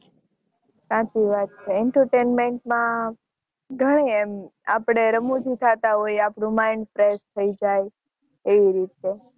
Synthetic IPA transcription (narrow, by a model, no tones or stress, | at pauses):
sãt͡ʃiʋat̪̚t͡ʃʰeːɳʈəɾʈenmeɳʈmã | ɡʱəɽ̃eema̰pɽ̃eɾəmud͡ʒʱit̪ʰat̪aɦojapɽũmãɪɳɖfɾest̪ʰəid͡ʒaj | eʋiɾit̪e